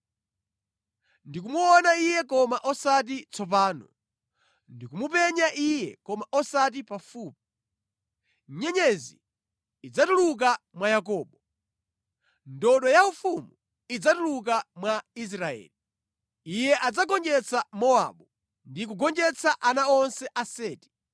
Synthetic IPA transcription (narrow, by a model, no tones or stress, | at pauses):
ndik̬umuɔnaijɛkɔmaʔɔsat̬it͡sʰɔp̬aːnɔ | ndikumupɛɲaʔijɛkɔmaʔɔsat̬ipafuːp̚i | ɲɛɲɛzḭː | d͡zatuluk̬amwajakɔːɓɔ | ndɔɗɔjaufumu | id͡zatuluk̬amwais̬ɾaɛ̰ːli | ijɛʔad͡zaɡɔnd͡ʒɛt͡sʰamɔa̰ɓɔ | ndik̬uɡɔnd͡ʒɛt͡sʰaʔanaɔnsɛʔasɛːti̥